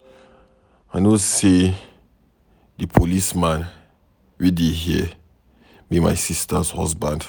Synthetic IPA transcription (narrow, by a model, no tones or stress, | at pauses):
anose | dipʰolismãn | wideɦiə | mima̰jsistashɔ̰sbãnd